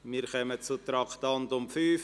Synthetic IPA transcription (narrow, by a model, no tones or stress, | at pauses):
mɪːɾχœmət͡sut̪ɾɑktɑntʊmfyːf